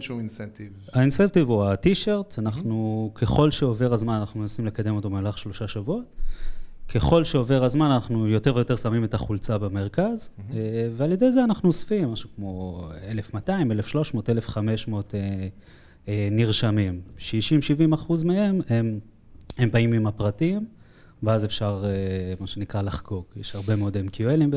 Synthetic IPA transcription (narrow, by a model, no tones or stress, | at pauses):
ʃuinsnt̪iv | ainsent̪ivuatiʃeʁt̪anaχnukʰe̞χo̞lʃeove̞ʁazmananaχnumenasimle̞kad̪e̞mo̞t̪o̞bemlaχʃlo̞ʃaʃavuot̚ | kʰe̞χo̞lʃeo̞ve̞ʁazmananaχnujo̞te̞ʁvejo̞te̞samimetaχult͡sabeme̞ʁkazevealje̞de̞jzeanaχnuosfimːaʃukmo̞ele̞fmataime̞lefʃlo̞ʃmo̞ːtelefχame̞ʃmo̞te | eniʁʃamimʃiʃimʃivimaχuzmehe̞mem | embaimimapʁatim | veazefʃaʁemaʃenikʁalaχɡo̞kjeʃhaʁbe̞meo̞demkioelimbe